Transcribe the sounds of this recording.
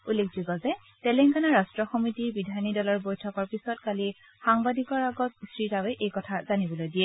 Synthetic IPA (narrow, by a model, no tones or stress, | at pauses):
ulːek̚ʰzuɡɔzɛ | tɛlɛŋkanaɹastɹɔxɔmitiɹbidʱanidɔlɔɹbojtʰɔkɔɹpisɔtkali | xaŋbadikɔɹaɡɔtsɹitawɛʔejkɔtʰaz̥anibɔlojdiɛ